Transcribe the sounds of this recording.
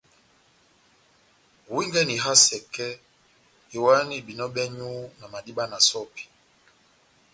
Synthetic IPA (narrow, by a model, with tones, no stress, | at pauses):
wi˦ŋɡɛ˦ni˨ɦa˦sɛ˨kɛ˦ | i˨wa˦ni˨bi˨nɔ˦ɓɛ˦ɲu˦na˨ma˨di˦ɓa˦na˨sɔ˦pi̥˨